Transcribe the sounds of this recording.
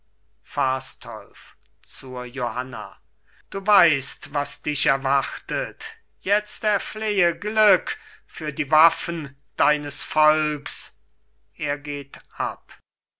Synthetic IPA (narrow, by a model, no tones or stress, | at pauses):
faːstʰɔ̰lf | t͡suɐjohana̰ | d̥uːvaɪstvasd̥ɪʃɛɐvaχtət | jɛt͡stɛɐfleːəɡlʏkfyːɐdiːvafn | d̥aɪnəsfɔlks | ʔeːɐɡeːtʔap